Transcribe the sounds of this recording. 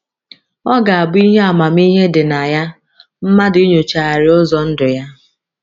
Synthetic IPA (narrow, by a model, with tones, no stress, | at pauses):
ɔ˦ɡa˨a˨bʊ˦i˦ɦe˦a˨ma˨m˦i˦ɦe˦dɪ˨na˨ja˦ | m̩˦ma˦di˦ɲo˨t͡ʃa˨ɾɪ˦ʊ˦zɔ˨n̩˦dʊ˨ja˦